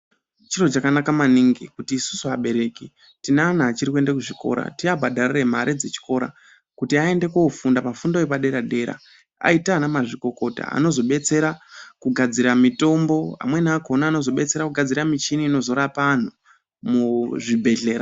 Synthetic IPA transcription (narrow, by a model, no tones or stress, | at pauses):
t͡ʃiro̞t͡ʃakanakamaniŋɡikutiːsu̥suaɓe̞ɾe̞ki | tinaːnaːt͡ʃiɾikue̞ndek̬uʐiko̞̰ɾa̰tiabʱadʱarire̞m̤aɾʔed͡ze̞t͡ʃi̥ko̞ɾa̰ | kutiae̞nde̞koufundapafundaepaɗe̞ɾaɗe̞ɾa̰ | a̰itaːnamaʐiko̞ko̞ta̰a̰no̞zo̞ɓe̞t͡se̞ɾakuɡʱad͡ziɾamito̞mbo̞a̰mwe̞nako̞naːno̞zo̞ɓe̞t͡se̞ɾakuɡʱad͡ziɾamit͡ʃiniːno̞zo̞ɾapan̤u | muʐibʱe̞ɮe̞ːɾa